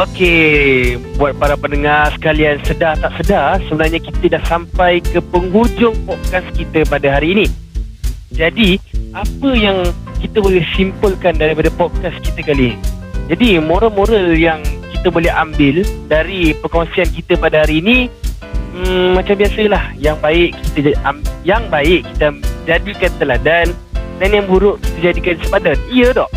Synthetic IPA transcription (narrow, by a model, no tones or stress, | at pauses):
oke | buat̪̚paɾapənəŋasə̥kaliansədaht̪aʔsədasəbənarɲakit̪ədahsampajkəpəŋɦurd͡ʒʊŋpɔt̚kaskit̪əpadaɦaɾiːnĩ | d͡ʒadiapəjaŋkit̪əbolɛhsimpʊlkandaɾipadapɔd̪̚kaskit̪əkalind͡ʒadimoɾamoɾaljaŋkit̪əbolɛɦambɪldaɾipəkoŋsiankit̪əpadahaɾiːnĩ | əːãt͡ʃambiasəlahjaŋbaɪʔkit̪əamjaŋbaɪʔki̥t̪ad͡ʒadikant̪əladan | danjaŋbuɾʊʔki̥t̪əd͡ʒadikansəbadaniədɔʔ